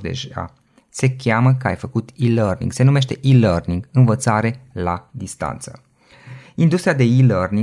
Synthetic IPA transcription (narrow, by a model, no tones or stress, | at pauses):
d̪ḛʒa̰ | se̞kʲaməkəa̰jfəkut̪ilərnḭŋɡse̞nume̞ʃt̪e̞ʔilərniŋɡɨnvət̪saɾe̞lad̪ist̪a̰nt̪sə | ind̪ust̪ɾijad̪e̞ilərni